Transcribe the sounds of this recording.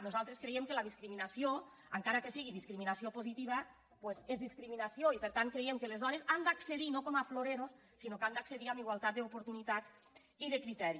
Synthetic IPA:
nuzalˠt̪ɾeskɾejemkəlaðiskɾiminasio | aŋkaɾakesiɣiðiskɾiminasiopozit̪iβ̞a | pwezezðiskɾiminasioipəɾt̪an̚kɾejemkəlezðɔnezand̪akseðinokomafloɾeɾosːinokand̪akseðiamiɣwalˠt̪at̪̚d̪əupuɾt̪unit̪at͡s | iðəkɾit̪ɛɾi

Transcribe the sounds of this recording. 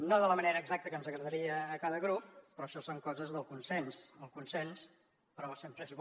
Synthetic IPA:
noðələməneɾəːɡzak̚t̪əkənzəɣɾəðəɾiəːkaðəɣɾup̚pɾɔʃɔsoŋkɔzəzðəlˠkunsɛnsəlˠkunsɛns | pəɾɔsempɾəezβ

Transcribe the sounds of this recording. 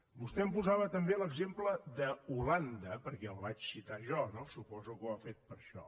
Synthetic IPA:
bust̪ɛəmpuzaβət̪əmbeləɡzempləðəuland̪əpəɾkɛəlˠβat͡ʃsit̪aʒɔnosupɔzukuəfet̪̚pəɾʃɔ̰

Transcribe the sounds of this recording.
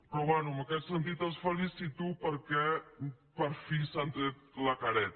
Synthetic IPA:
pɾɔβanuəməkɛt̪sənt̪it̪esfəlisit̪upəɾkɛ | pəɾfisant̪et̪ləkaɾɛt̪

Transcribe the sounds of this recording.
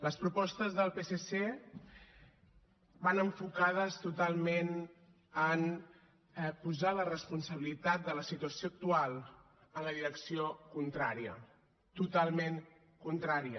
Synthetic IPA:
ləspɾupɔst̪əzðəlˠpesese | banəɱfukað̞əst̪ut̪alˠmen | ən | ɛpuzalərəspunsəβ̞ilit̪at̪̚d̪ələsit̪uəsioək̚t̪ualˠ | ənləðiɾəksiokunt̪ɾaɾiə | t̪ut̪alˠmeŋ | kunt̪ɾaɾiə

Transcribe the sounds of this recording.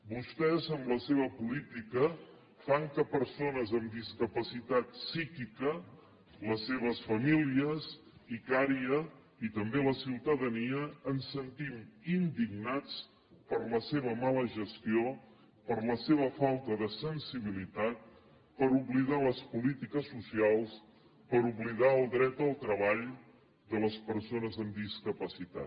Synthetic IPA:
bust̪ɛzəmləseβəpulit̪ikə | faŋkəpəɾsonəzəmd̪iskəpəsit̪at̪sikikə | ləseβ̞əsfəmiliəz | ikaɾiə | it̪əmbeləsiwt̪əðəniəːnsənt̪imind̪iɡnat͡s | pəɾləseβ̞əmaləʒəst̪io | pəɾləseβ̞əfalˠt̪əðəsənsiβ̞ilit̪at̪̚ | pəɾuβliðaləspulit̪ikəsːusialˠs | pəɾuβliðaəlˠd̪ɾɛt̪əlˠt̪ɾəβaʎ | d̪ələspəɾsonəzəmd̪iskəpəsit̪a̰t̪

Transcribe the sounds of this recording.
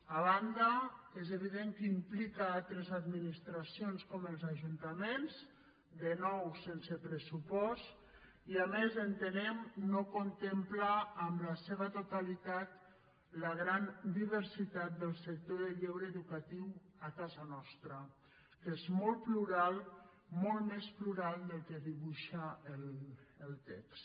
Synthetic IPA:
aβ̞and̪əezeβ̞iðeŋkəimplikaalt̪ɾəzad̪minist̪ɾasionskɔməlˠzaʒunt̪amenz | d̪ənɔwsensəpɾəsupɔst̪ | iamezənt̪ənɛmnokont̪emplaːmləseβət̪ut̪alit̪at̪ | ləɣ̞ɾand̪iβəɾsit̪at̪̚d̪əlˠsək̚t̪oðəʎewɾəːðukat̪iwəkazənɔst̪ɾə | kezmɔlˠpluɾalˠ | mɔlˠt̪mespluɾalˠd̪əlˠkəðiβuʃaəlːlˠt̪ɛ̰ks

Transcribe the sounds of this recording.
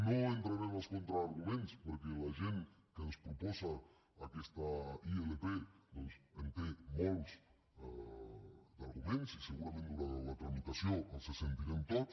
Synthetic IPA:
nõent̪ɾaɾemoskõnt̪ɾaːɾɣumẽnspoɾkelaʒen | kenospɾoposaː | kest̪aielepenosent̪emols | d̪aɾɣumẽnsiseɣuɾamẽnt̪ulalat̪ɾamit̪asjoasesent̪iɾemt̪oð

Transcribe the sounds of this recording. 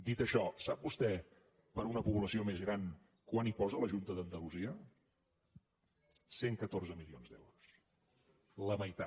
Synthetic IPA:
d̪it̪əʃɔsab̚bust̪ɛ | pəɾunəpuβləsiomezɣɾan | kwanipɔzələʒunt̪əðənd̪əluziə | seŋkət̪orzəmilionzd̪ɛ̰wɾus | ləməjt̪a

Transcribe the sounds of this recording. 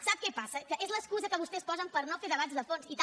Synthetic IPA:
saβkɛpasɐkəʔezlˠɐʃkuzɐkəβust̪espɔzɐ̃mpɐɾnõw̃feɾðɐβat̪zðɐfonsit̪

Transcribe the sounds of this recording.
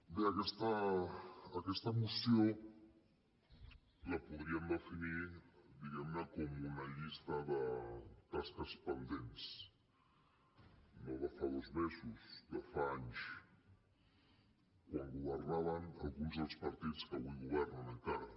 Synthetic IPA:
beakɛst̪aː | kɛst̪ɐmusjo | lapuðɾiamd̪əfinid̪iɣɛmnəkomunaʎist̪aðət̪askəspənd̪ens | noβafaðozmesusdafaaɲs | kwaŋɡuβəɾnaβ̞ana̰lˠɣunzðəlˠspaɾt̪it͡skəβujɣuβ̞ɛɾnanəŋkaɾa

